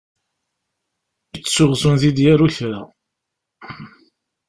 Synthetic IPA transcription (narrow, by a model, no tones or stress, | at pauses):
it͡sːsʊʁzʊnθid̪jæɾuçɾa